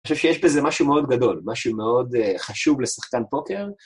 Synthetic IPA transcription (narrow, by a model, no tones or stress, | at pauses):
oʃevʃejeʃbeze̞maʃumeo̞d̪ɡado̞lmaʃume̞o̞dχaʃuvlesaχkanbo̞ke̞ʁ